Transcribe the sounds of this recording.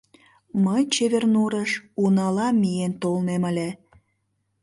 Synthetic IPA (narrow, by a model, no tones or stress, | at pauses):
məjt͡ɕeβernuɾəʃunɑlɑmijent̪olneməlʲe